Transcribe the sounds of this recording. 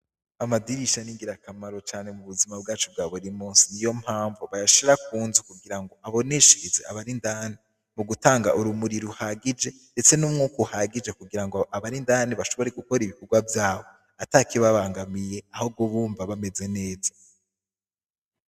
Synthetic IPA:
amadiɾiʃaniŋɡiɾakamaɾot͡ʃaːne̞muβuzimab̚ɡaːt͡ʃob̚ɡaːβuɾimuːnsinijo̞m̥haːɱvuβajaʃiɾakuːnzukuɡiɾaŋɡo̞ʔaβo̞neʃiɾizea̰βaɾindaːni | muɡutaːŋɡaʔuɾumuɾiɾuhaɡid͡ʒe̞nde̞t͡se̞nuːmŋuːkohaɡid͡ʒe̞kuɡiɾaŋɡoaβaɾindaːniβaʃo̞βo̞ɾeɡuko̞ɾiβikoɡwavjaːβo̞ | atakiβaβaːŋɡamije̞ahob̚ɡoβuːɱvaβame̞ze̞ne̞ːza

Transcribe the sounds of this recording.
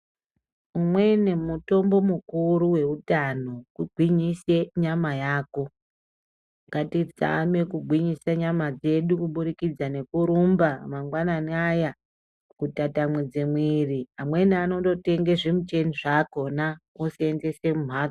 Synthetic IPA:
umwe̞ne̞muto̞mbo̞mukuɾuwe̞utano̞kuɡʱwiɲise̞ɲamajaːko̞ | ŋɡatid͡za̰me̞kuɡʱwiɲisaɲamad͡ze̞ɗukuɓuɾikid͡zane̞kuɾumbamaŋɡwananiaja | kutatamwed͡zemwiriamwe̞niano̞do̞te̞ŋɡeʐemut͡ʃe̞niʐako̞na | oseenze̞se̞mum̤aːd͡z

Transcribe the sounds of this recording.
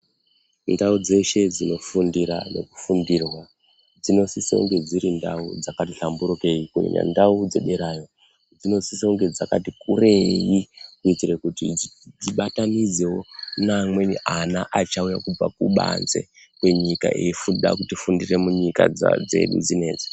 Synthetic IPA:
ndaud͡ze̞ʃe̞d͡zino̞fundiɾa̰ne̞̰ku̥fundirwa | d͡zino̞siso̰ŋɡe̞d͡ziɾinda̰ud͡zakatiɬambuɾoke̞ikuḛɲa̰ndaud͡ze̞ɓe̞ɾaːjo | d͡zino̞sisiuŋɡe̞d͡zaka̰tikure̞jikuitirekutid͡ziɓatanid͡ze̞wo̞namwe̞niʔanaʔat͡ʃaujakub͡va̰kuɓa̰nze̞̰ | kweɲika̰ʔeifunɗa̰k̬utifundire̞muɲika̰d͡z̰d͡ze̞̰ɗṵd͡zine̞ːd͡ze

